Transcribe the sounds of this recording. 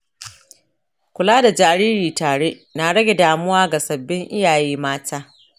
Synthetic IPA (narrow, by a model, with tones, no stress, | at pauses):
kʷʊ˨laː˦da˨d͡ʒaː˨ɾiː˦ɾiː˨taː˨ɽe˦na˨ɽɐ˦ɡʲe˨daː˨mʊ˦waː˦ɡa˨sɐ˨bːɪ˦ŋʔɪ˦jaː˨jiː˦maː˦tʰaː˦